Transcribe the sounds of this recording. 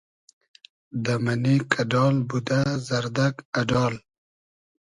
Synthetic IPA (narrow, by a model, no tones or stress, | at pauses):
d̪amanikʰaɖɑːlbud̪azaɾd̪aɡaɖɑːl